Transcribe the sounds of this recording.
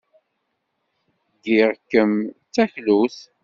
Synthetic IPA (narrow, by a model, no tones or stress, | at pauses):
ɡiʁkːəmt͡sːæçluθ